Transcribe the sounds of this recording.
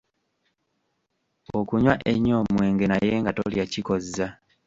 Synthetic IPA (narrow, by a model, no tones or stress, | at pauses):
okuɲwaʔḛɲːomwe̞ːŋɡe̞najeːŋɡato̰ljaciko̞za